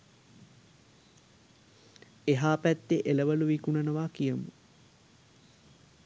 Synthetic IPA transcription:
eɦaːpæt̪ːeʔeləʋəluʋikunɐnəʋaːkijəmu

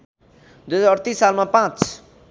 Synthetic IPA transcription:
d̪uezɔɾt̪isalmãpãt͡s

